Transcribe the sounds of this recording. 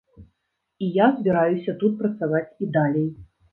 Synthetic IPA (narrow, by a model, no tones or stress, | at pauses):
ijazbʲiɾajusʲɐt̪ut̪̚pɾɐt̪savat͡sʲid̪alʲej